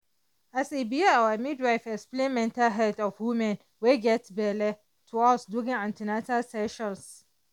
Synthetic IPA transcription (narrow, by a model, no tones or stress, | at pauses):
ʔasibijaawamidɹajfɛksplɛmɛ̃ntaɦɛdɔfwumɛ̃n | weɡɛtbɛlɛ | tʰuɔsduɡɪ̃ŋãntinatalsɛʃɔ̃ns